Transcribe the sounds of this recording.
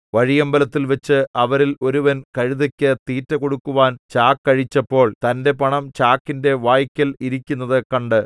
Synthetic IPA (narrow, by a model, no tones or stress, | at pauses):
ʋɐɻijɐmbɐlɐt̪ːilʋɐt͡ɕːɨɐʋɐɾilo̞ɾuʋɐnkɐɻiðɐkʲːɨt̪iːtːɐko̞ɽukːuʋaːnt͡ɕaːkːɐɻit͡ɕːɐpːo̞ːɭt̪ɐnde̞pɐɳɐmt͡ɕaːkːinde̞ʋaːjkʲːɐliɾikʲːunːɐðɨkɐɳɖɨ